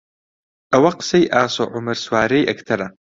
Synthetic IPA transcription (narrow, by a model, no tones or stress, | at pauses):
awaqsɐjʔaːsaʕʊmɨrswaːɾejʔɐkʰtʰɐɾa